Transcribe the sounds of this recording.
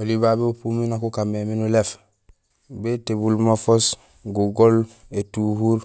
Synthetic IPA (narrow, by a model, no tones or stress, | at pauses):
olibabeupuminakukameminulef | betebulmafos | ɡuɡol | etuhuɾ